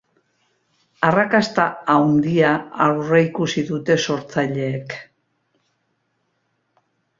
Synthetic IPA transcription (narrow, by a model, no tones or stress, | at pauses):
arakast̪aawnd̪iaawreikusiðut̪e̞so̞ɾt͡saʎe̞ːk